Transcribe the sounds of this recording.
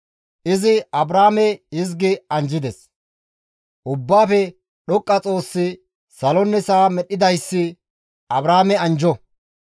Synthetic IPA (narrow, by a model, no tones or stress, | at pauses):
ʔɪzɪɐbɾaːmɛɪz̬ɡɪɐnd͡ʒɪd̪ɛs | ʔʊbːaːfɛ | ɗɔkʼːɐt͡sʼo̞ːsːɪ | sɐlɔnːɛsaːmɛɗːɪd̪ɐjsːɪ | ɐbɾaːmɛɐnd͡ʒɔ